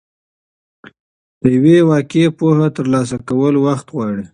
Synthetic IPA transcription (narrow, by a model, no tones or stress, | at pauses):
d̪̥əjawewɑkepohat̪əɾlɑs̬akawəlwaxt̪ɣwɑɽi